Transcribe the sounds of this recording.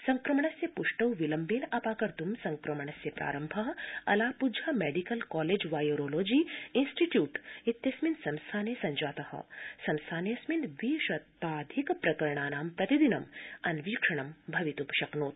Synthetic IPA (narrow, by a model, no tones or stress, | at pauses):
sɐŋkɾɐmɐɳɐsjɐpuʂʈɐwʋilɐmbeːnɐpaːkɐɾt̪umsɐŋkɾɐmɐɳɐsjɐpɾa̰ːɾɐmbʱaɦɐ̰laːpud͡ʒʱameːɖikɐlkɔːleːd͡ʒʋaːjoːɾoːloːd͡ʒiːinsʈiʈjuːʈit̪jɐsminsɐmst̪ʰaːnesɐɲd͡ʒaːt̪ɐhɐ̰sɐmst̪ʰaːnejɐsmind̪ʋiːʃɐt̪ːaːd̪ʱikpɾɐkɐɾɳaːnaːmt̪ɐt̪id̪inɐmɐnʋiːkʂɐɳ̃ɐmbʱɐʋit̪upɐʃɐknoːt̪̚